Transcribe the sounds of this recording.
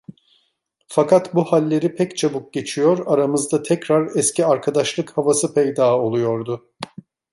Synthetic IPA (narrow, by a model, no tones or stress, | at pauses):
fakʰat̪buhalʲːe̞ɾipʰɛct͡ʃʰabuk̚ɟe̞t͡ʃʰijo̞ɾaɾamɯzd̪at̪ʰɛcɾaɾɛscʰiaɾkʰad̪aʃlˠɯkhavasɯpʰɛjd̪aːo̞lˠujo̞ɾd̪ʊ